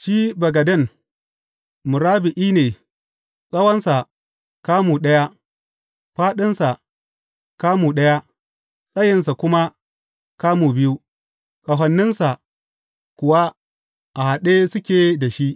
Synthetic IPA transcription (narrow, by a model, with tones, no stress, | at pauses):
ʃiː˦bɐ˨ɡɐ˨dɐ˦˨n | mʊ˨ɾaː˦bɪ˨ʔiː˦neː˨ | sʼɐ˦wɐ˦nsa˨ | kaː˦muː˨ɗɐ˦ja˦ | ɸaː˦ɗɪ˦nsa˨ | kaː˦muː˨ɗɐ˦ja˦ | sʼɐ˦jɪ˨nsa˨kʷʊ˦ma˦ | kaː˦muː˨bɪ˦ju˦ | ka˨ɦɐ˨nːɪ˦nsa˨ | kʷʊ˨wa˦ | ʔa˨ha˨ɗe˦sʊ˦kʲeː˨da˨ʃi˦ʔ